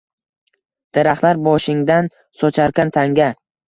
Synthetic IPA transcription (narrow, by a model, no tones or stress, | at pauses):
d̪̥eɾaχlaɾbɒʃɪŋd̪an | sɒt͡ʃʰaɾkʲant̪ʰaŋɡʲa